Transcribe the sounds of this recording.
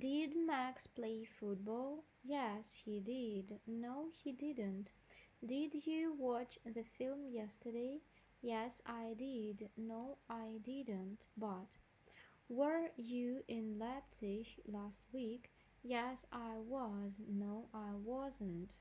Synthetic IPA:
d̥ɪd̚mækspʰl̥eɪfut̚bɔlˠ | jɛshidɪdnoʊhidɪdn̩t | d̥ɪdjɨwɑt͡ʃðɨfɪlˠmjɛstə˞deɪ | jɛsaɪdɪdnoʊaɪdɪdn̩tb̥ʌt | wə˞jɨɪ̃nlɛp̚tʰɪʃlæst̚wik | jɛsaɪwʌznoʊʔaɪwʌzə̃nt

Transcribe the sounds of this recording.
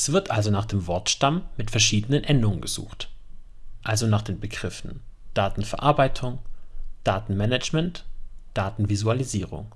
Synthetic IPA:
sv̥ɪɐtʔalzonaːχd̥eːmvɔɐtʃtamːɪtfɛɐʃiːdənənʔɛndʊŋənɡəz̥ṵːxt | ʔalzonaːχd̥eːnbəɡʁɪfn̩d̥aːtn̩fɛɐʔaɐbaɪtʰʊŋd̥aːtn̩mɛnɛt͡ʃmɛntd̥aːtn̩vizualiziːʁʊ̰ŋ

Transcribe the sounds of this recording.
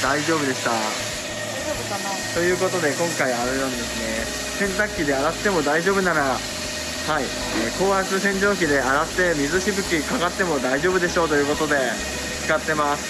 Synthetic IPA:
d̪̥aiʑo̞ːbɯ̟d̪e̞ɕi̥t̪a | t̪o̞jɯ̟ːko̞t̪o̞d̪e̞kõ̞ŋkaiaɾenãnd̪e̞sɨne̞ | sẽ̞nt̪akʲːid̪e̞aɾat̪ːe̞mo̞d̪aiʑo̞ːbɯ̟naɾa | hai | eːko̞ːat͡sɨsẽ̞ɲ̟d͡ʑo̞ːk̬ʲid̪e̞aɾat̪ːe̞mʲizɨɕibɯ̟kʲikaɡat̪ːe̞mo̞d̪aiʑo̞ːbɯ̟d̪e̞ɕo̞ːt̪o̞jɯ̟ːko̞t̪o̞d̪e̞ | t͡sɨ̥kat̪ːe̞masɨ̥

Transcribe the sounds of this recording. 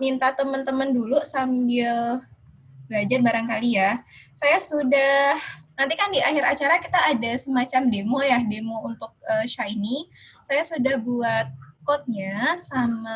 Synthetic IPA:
mint̪at̪əmənt̪əməndulusambɪl | bəad͡ʒarbaɾaŋkalijasajasudahnant̪ikandiʔahɪɾat͡ʃaɾakit̪aːdasəmat͡ʃamdemojahdemount̪ʊk̚əʃainisajasudahbuat̪̚kɔt̪̚ɲasama

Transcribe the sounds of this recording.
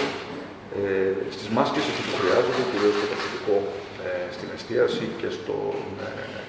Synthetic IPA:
est̪izmɐscesist̪utp̪uxɾiɐzod̪eciɾio̞st̪ot̪ɐkit̪iko̞ | est̪inest̪iɐsice̞st̪o̞̰n

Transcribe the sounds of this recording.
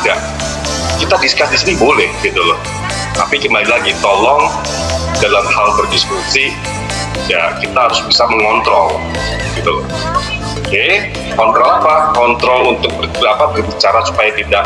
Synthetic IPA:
ɡaʔ | kit̪adiskasdisinibolɛhɡit̪ulɔ | t̪a̰pikəmbalilaɡit̪ɔlɔŋ | dalamhalbərdiskusi | ja̰kit̪aɦaɾʊsbisaməŋɔnt̪ɾɔl | ɡit̪ulɔ̰ | oke | kɔnt̪ɾɔlapakɔnt̪ɾɔlunt̪ʊk̚bərapabərbit͡ʃaɾasu̥pajat̪idaʔ

